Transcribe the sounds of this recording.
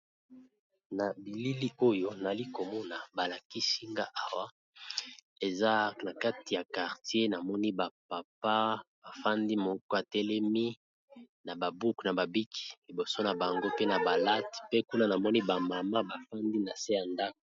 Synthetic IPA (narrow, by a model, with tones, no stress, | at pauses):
na˨bi˨li˦li˦o˦jo˦na˨li˦ko˨mɔ˦na˨ba˨la˨ki˦si˦ŋɡa˦ʔa˨wa˦ | e˨za˦na˨ka˦ti˨ja˨ka˨ʁtje˦na˨mɔ˦ni˦ba˨pa˨pa˦b̥a˨fa˦ndi˦mo˨˦kɔ˦a˨tɛ˦lɛ˦mi˦ | na˨ba˨bu˦kna˨ba˨bi˦kʰi̥˨li˨bo˨so˦na˨ba˨ŋɡo˦pe˦na˨ba˨la˦tpe˦ku˦na˦na˨mɔ˦ni˦ba˨ma˨ma˦ba˨fa˦ndi˦na˨se˦ja˨nda˦ko̥˨